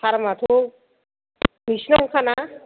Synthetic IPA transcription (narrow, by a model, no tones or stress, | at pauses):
aɾmat̪ʰu | misnɔŋkʰana